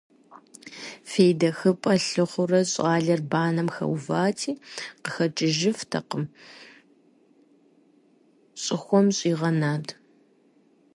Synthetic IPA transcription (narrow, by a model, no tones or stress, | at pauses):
feːjdɐxɨpʼɐɬɨχʷʊrɐɕʼɑːɮɐrbaːnɐmxɐ̰wvaːtʰiːqəxɐt͡ʃʼɪʒɪftʰɐ̰qəm | ɕʼɪxʷɔmɕʼiːʁɐnaːd